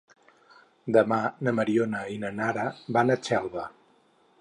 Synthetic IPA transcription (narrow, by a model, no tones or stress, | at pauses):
d̪əmanəməɾionəinənaɾəβanət͡ʃɛlˠβə